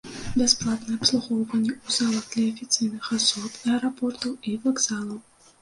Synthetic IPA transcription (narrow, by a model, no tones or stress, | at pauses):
bʲɛsplˠat̪nɨɛɐpslˠuɣɔwvɐnʲːɛuzalˠɐɣd̪lʲɐːfʲit̪sɨjnɨxasɔt̪ɛɛɾapɔrt̪ɐwivaɡzalˠɐw